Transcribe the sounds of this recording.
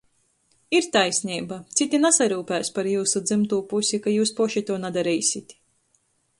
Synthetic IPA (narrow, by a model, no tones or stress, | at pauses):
iɾt̪ajsʲnʲiːbat̪sit̪ʲinasaɾuːpæːspaɾjuːsud̪zɨmt̪uːpusʲikajuːspuʃit̪uɔnad̪aɾiːsʲit̪ʲ